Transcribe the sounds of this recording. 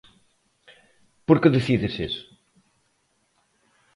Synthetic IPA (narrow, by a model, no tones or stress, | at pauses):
poɾkeðeθiðeses